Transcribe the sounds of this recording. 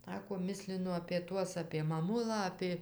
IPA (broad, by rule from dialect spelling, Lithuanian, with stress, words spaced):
ˈsɑːkoː ˈmʲɪsʲlʲɪnʊ ɐpʲeː ˈtuɔs ɐpʲeː mɐˈmʊlˠɑː ɐpʲeː